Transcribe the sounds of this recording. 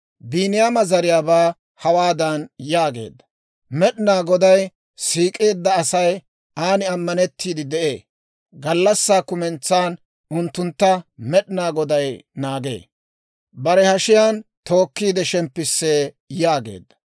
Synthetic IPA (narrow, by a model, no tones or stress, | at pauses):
biːnɪjaːmɐzɐɾɪjaːbaː | hɐwaːd̪ɐnjaːɡe̞̰ːd̪ːɐ̥ | mɛɗnaːɡɔd̪ɐj | siːkʼe̞ːd̪ːɐːsɐj | aːnɪɐmːɐnɛt̪ːiːd̪ɪd̪ɛʔeː | ɡɐlːɐsːaːkʊmɛnt͡sːaːn | ʊnt̪ːʊnt̪ːɐmɛɗɪnaːɡɔd̪ɐjnaːɡe̞̰ː | bɐɾɛhɐʃɪjaːnt̪o̞ːkːiːd̪ɛʃɛmpːɪsːeː | jaːɡe̞̰ːd̪ːɐ̥